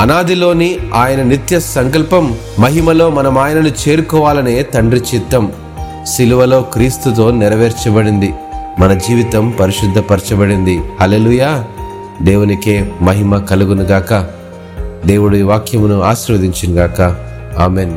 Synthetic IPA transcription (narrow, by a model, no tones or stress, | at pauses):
ɐnaːd̪ilo̞ːniaːjɐnɐnit̪jɐsɐŋkɐlpɐmː | ɐɦimɐlo̞ːmɐnɐmaːjɐnɐnut͡ʃe̞ːɾukɔːʋaːlɐneːt̪ɐɳɖɾit͡ʃit̪ːɐm | siluʋɐlo̞ːkɾiːst̪ut̪̬o̞ːniɾɐʋeːɾt͡ʃɐbɐɽind̪i | mɐnɐd͡ʒiːʋit̪ɐmpɐɾiʃud̪ʱːɐpɐɾt͡ʃɐbɐɽind̪ihɐle̞ːluːjaː | d̪e̞ːwunike̞ːmɐɦimɐkɐluɡunuɡaːkɐ | d̪e̞ːwuɽiʋaːkʰjɐmunuaːʃiɾʋɐd̪iɲt͡ʃinɡaːkɐ | aːmeːn